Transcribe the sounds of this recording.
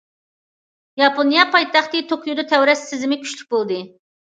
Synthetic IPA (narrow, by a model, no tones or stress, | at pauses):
jɑponijɑpʰɑjt̪ʰɑχt̪ɨt̪ʰokʰujud̪ɑt̪ʰɛwɾɛsːɪzɪmɪkʲʰy̥ʃlyk̚ʲbolˠd̪ɨ